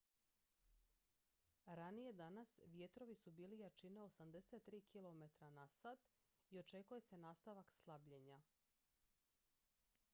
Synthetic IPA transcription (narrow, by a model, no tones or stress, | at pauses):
ɾanije̞d̪anasʋjet̪ɾo̞ʋisubiːlijat͡ʃineo̞samd̪e̞set̪ːɾiːkʰilo̞met̪ɾanasad̪ | io̞t͡ʃe̞kuje̞se̞naːst̪aʋakslˠabʎeɲa